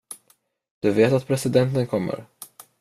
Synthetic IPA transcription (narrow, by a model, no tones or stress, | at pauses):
d̪̥ɵveːt̪at̪̚pʰɾɛsɪd̪ɛnt̪ənkʰɔmːə̰ɾ